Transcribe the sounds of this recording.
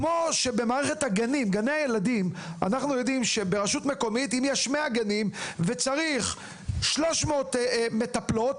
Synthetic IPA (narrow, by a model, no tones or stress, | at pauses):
kmo̞ʃe̞be̞maːʁeχe̞thaɡanimɡanejaje̞ladimanaχnujo̞dimʃe̞be̞ʁaʃutme̞ko̞mitimjɛʃmeaɡanimve̞t͡saʁiχ | ʃlo̞ʃmo̞tme̞taplo̞t